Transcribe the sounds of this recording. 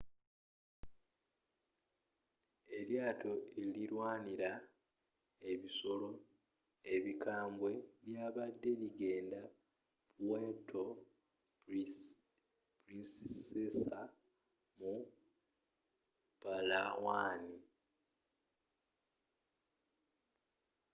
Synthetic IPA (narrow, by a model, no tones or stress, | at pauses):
e̞ljaːtʰo̞eliɾwaːniɾa | e̞βiso̞lo̞ | e̞βikʰaːmbwe̞βjaːβadːe̞liɡe̞ːnda | puwetʰo | pɾissesa | mu | palawaːni